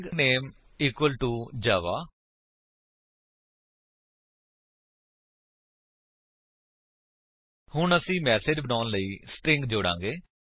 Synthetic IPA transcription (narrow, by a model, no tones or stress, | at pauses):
ɡneːm | iːkwəlʈuːd͡ʒaːʋaː | hʊɳəsĩːmɛːseːd͡ʒbənaːnləiːsʈɪ̃ŋɡd͡ʒoːɽã̰ːŋɡeː